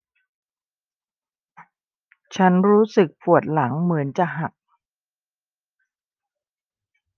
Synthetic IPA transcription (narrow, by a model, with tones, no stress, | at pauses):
t͡ɕʰa˦˥nɾuː˦˥sɯ˨˩k̚pʰu˨˩ət̪̚la˩˦ŋmɯ˩˦ənt͡ɕa˨˩ɦa˨˩k̚